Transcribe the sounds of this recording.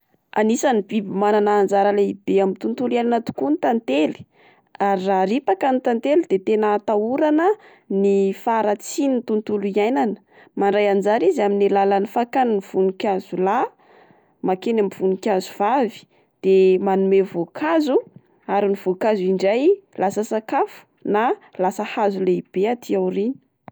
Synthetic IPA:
anisanibibimananaːnd͡zaɾəleibeamint̪unt̪uliajnanət̪u̥kunit̪ant̪eli̥ | aɾiraɾipakanit̪ant̪elid̪̥et̪enat̪auɾanə | nifaɾat͡sinint̪unt̪uluiajnanə̥ | maɳɖ͡ʐajand͡zaɾizaminalalanifakaniniv̥unikʲazula | makenamv̥unikʲazuv̥avi̥ | d̪̥emanumevokʰazu | aɾiniv̥okaziɳɖ͡ʐajlasəsakafu̥ | nalasəhazuleib̥eat̪ʰiawrini̥

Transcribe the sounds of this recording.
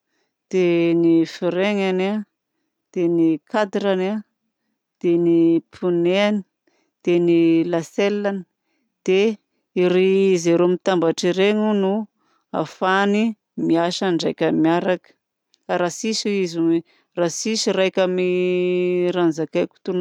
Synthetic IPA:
d̪̥enifiɾeŋana | d̪̥enikad̪iɾana | d̪̥enipʰuneani̥ | d̪̥enilaselːani̥ | d̪̥e | iɾiizeɾomit̪ambaʈ͡ʂiɾeŋunu | a̰fani | miaʃaɳɖ͡ʐajkʲamiaɾakə̥ | aɾasisuizine | rasisirajkʲami | ɾanzakekʲu̥t̪un

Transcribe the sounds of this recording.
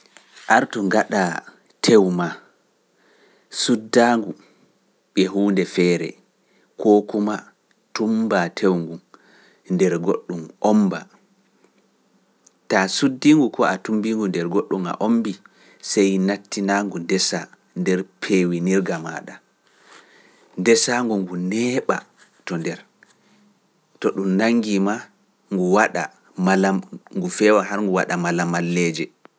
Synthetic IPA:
ʔaɾtuŋɡaɗa | tʰewma | sudːaːŋɡu | ɓɛɦuːndɛfɛːɾɛ̰ | koːkuma | tumbatʰewŋɡu | ndɛɾɡoɗːumʔɔmba | tasudːiŋɡukɔatumbiŋɡundɛɾɡoɗːuma̰ʔombi | sɛjnatːinaŋɡundɛsa | ndɛɾpʰewiniɾɡama̰ːɗa | ndɛsaŋɡuŋɡunɛːɓa̰ | tɔndɛɾ | tɔɗumnaŋːɡima | ŋɡuwaɗa̰ | malaŋɡufɛwaɦaɾŋɡuwaɗamalamalːɛd͡ʒɛ

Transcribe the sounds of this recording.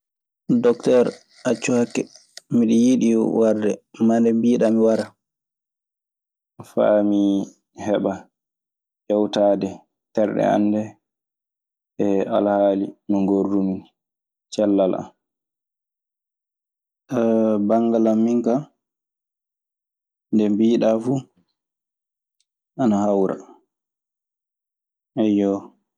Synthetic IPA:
dɔktɛɾ | at͡ʃːuhakːɛ | miɗijiɗiwaɾdɛ̰mandɛmbiːɗamiwaɾa | fa̰mi | hɛɓa | ʔɛwtaːdɛ | tɛɾɗɛ̰a̰nːdɛ | ɛa̰lhaːlimiŋɡorːumin | t͡ʃɛlːala̰m | tabaŋɡalamːiŋka | ndɛmbiːɗafu | ʔanahawɾa̰ | ʔɛjɔ

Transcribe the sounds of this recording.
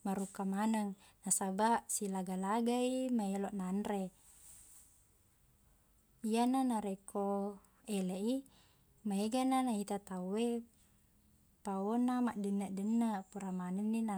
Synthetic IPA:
maɾukamanaŋnasabaʔsilaɡalaɡaimaeloʔnanre | ijananaɾekʰo | eleʔi | maeɡananait̪at̪awe | paonamaʔdənːaʔdənːapuɾamanəŋːina

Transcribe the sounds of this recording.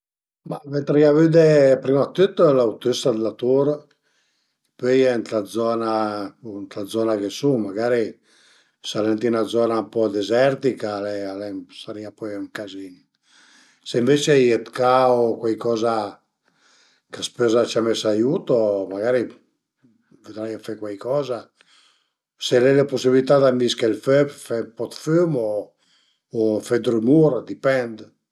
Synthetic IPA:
mavɛnt̪ɾiavyd̪epɾimat̪ːyt̪ːɛlawt̪yst̪ad̪elat̪uɾ | pøjɛnt̪lad̪zɔnant̪lad̪zɔnakesumaɡaɾi | salɛnt̪iunad̪zɔnampɔd̪ezɛɾt̪ikalɛalɛsaɾiapɔjŋkazini | seiɱvet͡ʃjet̪kaokwajkɔza | kaspøzat͡ʃamɛsajuːt̪omaɡaɾi | ved̪ɾajafɛkwajkɔːza | selɛleposibilit̪ad̪amiskelføpfɛpɔt̪fymoː | fɛd̪ɾumuɾd̪ipɛnd̪

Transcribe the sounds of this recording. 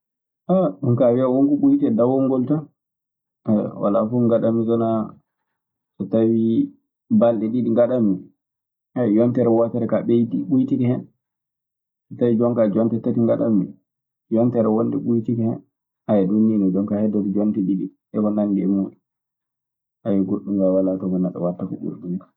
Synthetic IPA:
ʔaɗunkawiawoŋkuɓujtɛdawɔŋɡɔlta | wa̰lafuŋɡaɗamisɔna | sɔtawi | balɗɛɗiɗiŋɡaɗami | ajɛjɔntɛɾɛwatɛɾɛkaɓejtiɓujtikɛhɛn | sɔtawid͡ʒɔŋkad͡ʒɔntɛtːatiŋɡaɗami | jɔntɛɾɛwonːdɛɓujtikɛhɛn | ajɛdunːinɔd͡ʒɔŋkahɛdːɔtɔd͡ʒɔntɛɗiɗi | ɛkɔnaŋɡɛmuːɗu | ʔajɛɡoɗːuŋɡawalatɔɡɔnatɔ̰watːakɔ̰ɡṵɾdunikḁ

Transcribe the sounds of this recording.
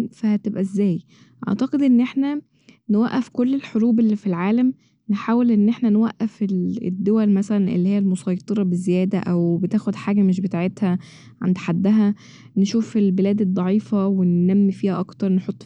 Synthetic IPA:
fæhæt̪ebʔæzːæːj | ʔɑ̰ʕt̪ɑqed̪ʔenːʔeħnæ | newæʔːæfkolːelħoɾuːbelːifilʕaːlæm | neħaːwelʔenːʔeħnænwæʔːæfelḛd̪ːowælmæsælænʔḛlːihijːælmosˤɑjt̪ˤeɾˤɑbezejæːd̪æʔæwbet̪æːxod̪ħaːɡæmeʃ̬bet̪aʕet̪hæ | ʕa̰nd̪ħad̪ːæɦæ | nʃuːfelbelæːd̪ed̪ˤːɑʕiːfɑwenːæmːifiːhæʔɑkt̪ɑɾˤneħot̪ˤː

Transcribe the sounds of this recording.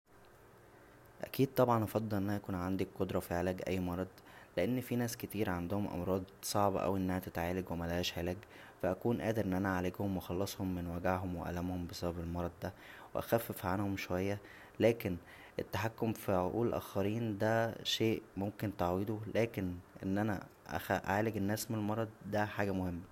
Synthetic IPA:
ʔæ̰kiːd̪̚t̪ˤɑbʕɑnʔɑfɑd̪ˤːelʔenːænʔækuːnʕand̪ikqːod̪ɾˤɑfiʕelæːɡʔæ̰jːmɑɾˤɑd̪ˤ | leʔenːfinæːsket̪iːɾʕand̪ohomʔɑ̰mɾˤɑːd̪sˤɑʕbɑ̰ʔæ̰wʔenːæhæt̪et̪ʕaːlæɡwemælæhæːʃʕelæːɡ | fæʔækuːnʔæːd̪eɾʔenːʔænæʕaleɡhomwexɑlːɑsˤhomːenwæɡaʕɦomweʔæ̰lːæmhombesæbæbelmɑɾˤɑd̪̚ˤd̪æweʔæ̰xæfːefʕanhomʃowæjːæ | læːken | ʔet̪ːaħakːomfiʕoʔuːlʔæ̰ːxɑɾiːnd̪æʃeːʔmomkent̪aʕwed̪ulʔæːkenʔḛnːʔænæ̰ʔæ̰xæʔʕaːleɡenːæːsmenelmɑɾˤɑd̪̚ˤd̪æħaːɡæmohemːæ

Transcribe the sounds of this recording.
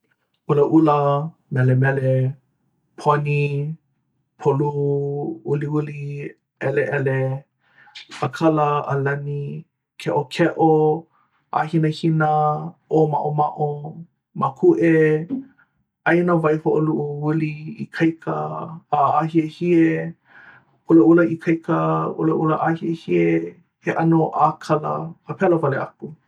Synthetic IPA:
ʔuləʔulə | mɛlemɛle | pʰoni | pʰolu | uliuli | ɛleʔɛle | əkʰɐlɐəlɐni | kʰɛʔokʰɛʔo | ʔa̰hinəhinəʔomaʔomaʔo | makʰuʔe | ɐjnavɐjhoʔoluʔuuliikʰɐjkʰə̰ː | ahiəhie | ulɐulɐikʰɐjkʰəṵlɐʔulɐʔahiəhie | heʔɐnoʔakʰɐlɐ̰əpʰɛlovɐleʔɐku

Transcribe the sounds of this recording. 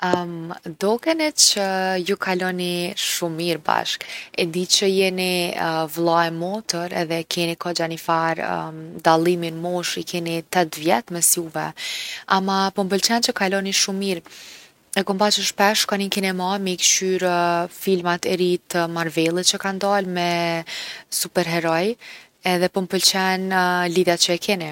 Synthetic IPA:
əmd̪ɔkɛnɛt͡ʃəjukʰalɔniʃumiɾba̰ʃkɛnd̪it͡ɕəjɛnivlˠaɛmɔt̪əɾɛ̰ðɛkʰɛnikɔd͡ʑanifaɾd̪alˠiminmɔʃikɛnit̪ɛt̪vjɛt̪mɛsjuvɛamapɔmpəlt͡ɕɛnt͡ʃəkalɔniʃumːiɾ | ɛkɔmbat͡ɕəʃpɛʃkaninkɛnɛmamɛikʃyɾfilmat̪ɛɾit̪maɾvɛlˠit̪t͡ɕəkand̪almɛ | supɛɾɦɛɾɔj | ɛðɛpɔmpəlt͡ɕɛnliðjat̪̚t͡ɕəɛkʰɛni

